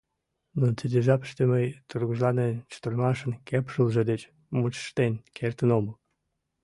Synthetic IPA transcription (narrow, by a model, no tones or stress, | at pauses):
not͡sid̪ʲeʒɑpə̥ʃt̪eməjt̪urɣuʒlɑnent͡ɕə̥t̪ərmɑʃə̆nkepʃulʒĕd̪et͡ɕ | mut͡ɕə̥ʃt̪enkʰert̪ənoməl